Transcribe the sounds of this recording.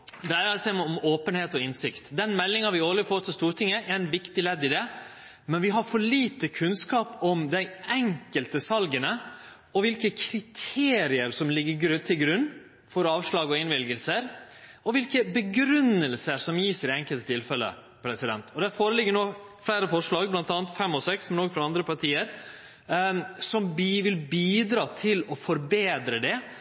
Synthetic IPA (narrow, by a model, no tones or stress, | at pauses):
d̪æɪɾɑsɛɪmɛɔmoːpənheːt̪ɔɪnsɪkt̪d̪ɛnmɛlːɪŋɑʋɪoːləfoːɾt̪ʰɪlst̪uːɾʈʰɪŋːəʔæænʋɪkt̪ɪlɛd̪ːɪd̪ɛ | mɛnʋɪɦɑɾfɔɭiːt̪əkʰʉnskɑːpɔmd̪æɪɛŋkəlt̪əsɑlɡənə | ɔʋɪlkəkʰɾɪt̪ʰeːɾɪəɾsɔmlɪɡːəɡɾʉt̪ʰɪlɡɾʉnː | fɔɾɑːʋʂɭɑːɡɔɪnʋɪlɡəlsəɾɔʋɪlkəbəɡɾʉnːəlsəɾsɔmjiːsəɾɪɛŋkəlt̪ət̪ʰɪlfɛlːə̰ | pʰɾɛsɪd̪ɛ̰nt̪ʰɔd̪æɾfoːɾəlɪɡːəɳnoːflæɪɾəfɔʂɭɑːɡblɑnt̪ɑːnt̪fɛmːɔsɛksmɛnoːɡfɾɑɑnd̪ɾəpʰɑɾʈʰiːəɾ | sɔmʋɪlbiːd̪ɾɑːt̪ʰɪlɔfɔɾbeːd̪ɾəd̪ɛ